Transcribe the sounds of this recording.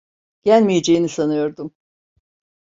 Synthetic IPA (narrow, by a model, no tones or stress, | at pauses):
ɟ̥ælʲmijed͡ʒejinisanɯjo̞ɾd̪um